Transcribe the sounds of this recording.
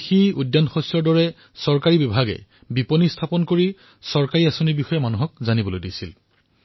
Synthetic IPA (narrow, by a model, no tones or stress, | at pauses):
xiudːanxɔsɔɹdɔɹɛ | sɔɹkaɹibibʱaɡɛ̰ | biponistʰapɔnkoɹi | sɔɹkaɹiasonibixɔjɔmanuɦɔk̚zanibɔlojdisḭl